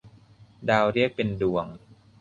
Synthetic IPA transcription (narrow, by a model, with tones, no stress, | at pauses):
daː˧wɾi˥˩ək̚pe˧ndu˨˩əŋ